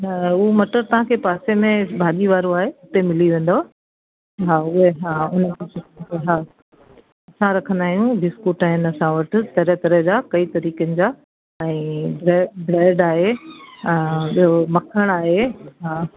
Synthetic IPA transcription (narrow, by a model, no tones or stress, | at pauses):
nɐʊɦomɐʈəɾt̪ɐʋ̤ãkʰeːpaːsemẽbʱaːɗiʋaːɾoaːɦeʊt̪emɪliʋẽːnd̪oa | ɦaːʊɦeɦaːʊnəkʰãʊɦaː | ɐsãɾɐkʰə̃nd̪aːɦijũbɪskuːʈaːɦɪnɐsãʋɐʈʰɪ̆t̪ɐɾət̪ɐɾəɦd͡ʑaːkɐit̪ɐɾiːkənɪ̆d͡ʑaː | ɛ̃ːbɾɛbɾɛːɖaːɦẽ | ɓiɦomɐkʰəɽ̃aːɦeɦaː